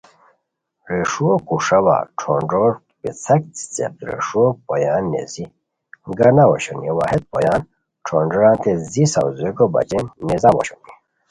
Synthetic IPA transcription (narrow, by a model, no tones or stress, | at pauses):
ɾeʂuokuʂawa̰ʈ͡ʂʰoɳɖoɾ | pit͡sʰɐk̚t͡st͡sḛp̚t̪ɾḛʂuopojaːnːḛzi | ɡanawoɕoniwahet̪̚pojaːn | ʈ͡ʂʰoɳɖɔɾãːnt̪ezisawzekobɐ̰t͡ɕennizawo̰ɕoni